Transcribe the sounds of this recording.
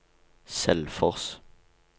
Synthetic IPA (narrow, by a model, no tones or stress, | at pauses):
sɛ̰lfɔʁs